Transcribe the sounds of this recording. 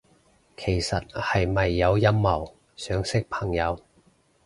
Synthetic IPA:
kʰe˨˩jsɐ˨t̚hɐ˨jmɐ˨jːɐ˨˧wjɐ˥mːɐ˨˩w | sœː˨˥ŋsɪ˥k̚pʰɐ˨˩ŋjɐ˨˧w

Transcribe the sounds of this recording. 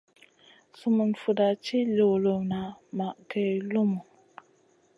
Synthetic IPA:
su˨mu˨nfu˨da˨t͡ʃi˦lo˨wlo˨na˨ma˨ʔkʰe˨lu˦mu˨

